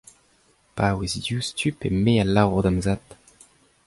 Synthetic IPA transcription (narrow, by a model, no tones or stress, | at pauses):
paːwezdjuːstypemealaːvɔʁd̪amzat̪